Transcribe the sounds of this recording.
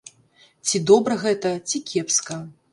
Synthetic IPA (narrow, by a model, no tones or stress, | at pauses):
t͡sʲid̪ɔbɾɐɣɛt̪ɐt͡sʲikʲʰɛpskɐ